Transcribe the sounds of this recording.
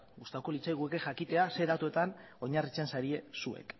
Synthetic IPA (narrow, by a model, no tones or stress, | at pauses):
ɡust̪awko̞lit͡sajɣ̞ueke̞ʝakit̪e̞ase̞ðat̪ue̞t̪an | o̞ɲarit͡se̞nsaɾie̞sue̞̰k